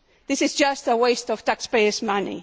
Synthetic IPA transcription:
ðɪsɨzd͡ʒʌstəweɪstɔv̥tækspeɪɨsmʌnḭ

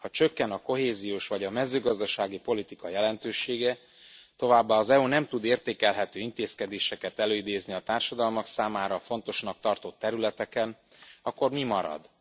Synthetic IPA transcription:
hɒt͡ʃø̞kːɛnɒko̞ɦeːzijoːʃvɒɟɒmɛzøːɡɒzd̪ɒʃaːɡipo̞lit̪ikɒjɛlɛnt̪øːʃeːɡɛ | t̪o̞vaːbːaːɒzɛunɛmt̪ud̪eːrt̪eːkɛlɦɛt̪øːint̪eːskɛd̪eːʃɛkɛt̪ɛløːid̪eːzniɒt̪aːrʃɒd̪ɒlmɒksaːmaːɾɒfo̞nt̪o̞ʃnɒk̚t̪ɒrt̪o̞t̪ːɛɾylɛt̪ɛkɛn | ɒkːo̞rmimɒɾɒ̰d̪

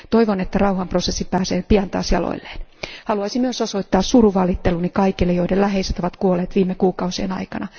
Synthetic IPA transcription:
t̪oiʋonet̪ːærɑuhɑmprosesːipæːseːpiɑnt̪ɑ̰ːsjɑ̰lo̰ilːeːnhɑluɑisimyøsosoit̪ːɑːssuruʋɑlit̪ːelunikɑikilːejoidelæɦeiset̪oʋɑt̪kuolˑeːt̪ʋiːmːekuːkɑusienɑ̰ikɑnɑ

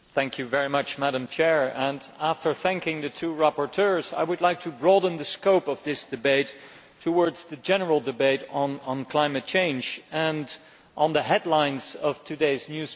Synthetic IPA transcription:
θæ̃ŋkʰjɨvɛɹimʌt͡ʃmæɾə̃mt͡ʃʰɛɹɨ̃næftə˞θæ̃ŋkɪ̃ŋðɨtʰuɹæpəɹtʰɜ˞za̰ɪwɨdˡlaɪk̚tʰɨbɹɔdⁿn̩ðɨskoʊpʌvðɪsd̥ɨbeɪtʰː | əwɔɹdz̥ðɨd͡ʒɛnə˞l̩ˠdɨbeɪɾn̩n̩kʰl̥ãɪ̃mɨt̚t͡ʃʰẽɪ̃nd͡ʒɨ̃n | ʔnðɨɦɛdˡlãɪ̃nz̥ʌv̥tʰɨdeɪznjʉz̥

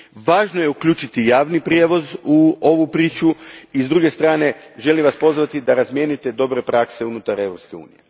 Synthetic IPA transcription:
ʋaːʒnoje̞ukʎʲuːt͡ʃit̪ijaːʋnipɾjeʋo̞zuo̞ʋupɾiːt͡ʃuizd̪ɾuɡe̞st̪ɾaːne̞ʒe̞limʋaspo̞zʋat̪id̪aɾazmjeːnit̪e̞d̪o̞bɾe̞pɾakse̞unut̪aɾe̞ʋɾo̞pske̞ṵːnije̞

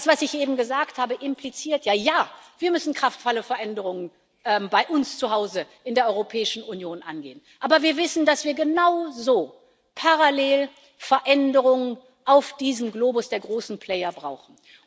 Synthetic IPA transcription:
sv̥asɪçʔeːbm̩ɡəzaːkthaːbəʔɪmplit͡siːɐtʰjaːjaːv̥iːɐmʏsn̩kʁ̥aftfɔləfɛɐʔɛndəʁʊŋən | ʔɛmbaɪʔʊnst͡suɦaʊzəʔɪndeːɐɔʁopʰɛːɪʃn̩unjoːnʔa̰nɡḛːənʔaːbɐviːɐvɪsn̩dasv̥iːɐɡənaʊzoː | pʰaʁaleːl | fɛɐʔɛndəʁʊŋən | ʔaʊfd̥iːzəmɡloːbʊsd̥eːɐɡʁoːsn̩pʰl̥ɛːɐbʁaʊxn̩

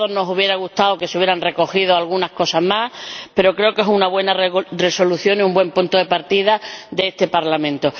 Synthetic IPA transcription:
ono̞suβje̞ɾaɣ̞uht̪aoke̞seuβjeɾanre̞ko̞xið̞oalɣunahko̞saɦmahpe̞ɾo̞kɾe̞oke̞sunaβwe̞nare̞so̞luθjo̞niumbwe̞mpunt̪oðe̞paɾt̪iðad̪eest̪e̞paɾlamẽ̞nt̪o̞

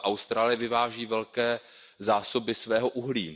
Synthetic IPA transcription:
ʔawst̪ɾaːlɪjɪvɪvaːʒiːvɛlkɛː | zaːsobɪsvɛːɦoʔuɦliː

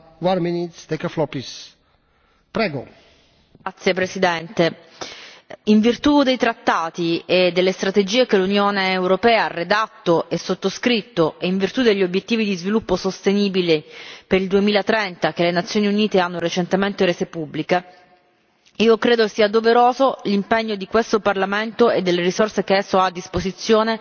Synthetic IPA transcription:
wanminit̪st̪ekəflɔpis | pɾɛɡo̰ | at̪sːjepɾesid̪ɛnt̪e | iɱvirt̪ud̪ejt̪ɾat̪ːaːt̪ied̪ːelːest̪ɾat̪ed͡ʒiːekelunjoːneːwɾopɛːaarːed̪at̪ːoʔesːot̪ːoskɾit̪ːoeiɱvirt̪ud̪eʎːiobjet̪ːiːvid̪izvilupːosost̪eniːbilepeɾild̪uemiːlat̪ɾɛnt̪akelenat̪sːjoːniuniːt̪eanːoɾet͡ʃent̪ement̪eɾeːzepubːlike | iːokɾeːd̪okesːiːad̪oveɾoːzolimpeɲːod̪ikwest̪oparlament̪oed̪ːelːeɾisorsekeɛsːoaːd̪ːispozit̪sːjoːne

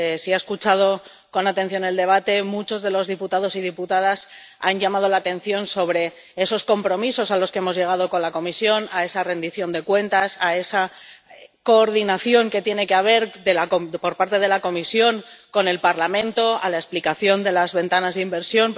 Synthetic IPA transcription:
esiaeskut͡ʃað̞o̞ | ko̞nat̪e̞n̟θjone̞ld̪e̞β̞at̪e̞mut͡ʃo̞zðe̞lo̞zðiput̪aðo̞sið̞iput̪að̞as | anɟamað̞o̞laːt̪e̞nθjo̞nso̞βɾe̞ | eso̞sko̞mpɾo̞miso̞salo̞skee̞mo̞zʝe̞ɣ̞að̞o̞ko̞nlako̞misjo̞nae̞sare̞nd̪iθjo̞nd̪e̞kwe̞nt̪asae̞sa | ko̞ːɾðinaθjo̞ŋke̞t̪je̞ne̞keaβ̞e̞ɾdelakopo̞ɾpaɾt̪e̞ð̞e̞lako̞misjo̞ŋko̞ne̞lpaɾlamẽ̞nt̪o̞a̰laesplikaθjo̞nd̪e̞lazβe̞nt̪anazðimbe̞ɾsjo̞n

